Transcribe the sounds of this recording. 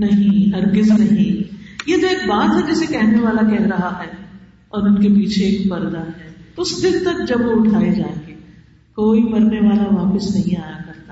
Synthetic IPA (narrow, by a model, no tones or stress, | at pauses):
nɐɦĩɦɐɾɡɪznɐɦĩjed͡ʒ̪oeːk̚baːt̪ɦɛd͡ʒɛːsekɛɦneʋaːlakɛɦɾɐɦaɦɛː | ɔːɾʊnkepiːt͡ʃʰeːkpɐɾd̪aɦɛːt̪oʊsd̪ɪlt̪ɐk̚d͡ʒɐbʋoʊʈʰaːed͡ʒaːẽɡe | koːimɐɾneʋaːlaʋaːpəsnɐɦĩaːjakɐɾt̪aː